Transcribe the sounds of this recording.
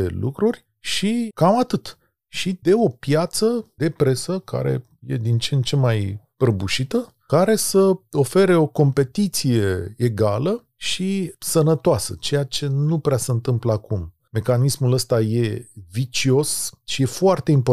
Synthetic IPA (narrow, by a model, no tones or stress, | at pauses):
ḛlʔṵkɾurʲ | ʃikamat̪ɨt̪ | ʃid̪e̞o̞pjat̪səd̪̥e̞pɾe̞səkʰa̰ɾe̞̰ | je̞̰d̪int͡ʃent͡ʃe̞majpɾəbuʃit̪ə | kaɾe̞səo̞fe̞ɾe̞o̞ko̞mpe̞t̪it̪sije̞eɡalə | ʃisənət̪oasə̰t͡ʃe̞jat͡ʃe̞nupɾeasəɨnt̪ɨmplakum | me̞kanismuləst̪aje̞vit͡ʃio̞sʃije̞foart̪e̞impo̞